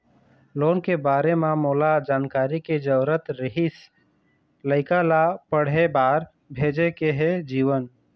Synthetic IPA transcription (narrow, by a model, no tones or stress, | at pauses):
loːnkebaːɾememolad͡ʒaːnkaːɾiked͡ʒəbɾət̪ɾəɦis | ləɪkalapəɽ̤ebaːɾ | bʱeːd͡ʒekeɦed͡ʒiːwən